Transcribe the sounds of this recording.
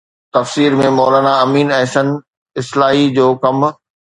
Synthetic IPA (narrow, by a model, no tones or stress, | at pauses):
t̪ɐfsiːɾmẽmɔːlaːnaɐmiːnɛɦʃən | ɪslaːɦid͡ʑoːkɐm